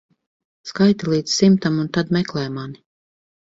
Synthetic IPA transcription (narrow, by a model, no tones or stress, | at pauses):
skajt̪alˠiːd̪ssimt̪amunt̪ad̪mɛklˠɛjmani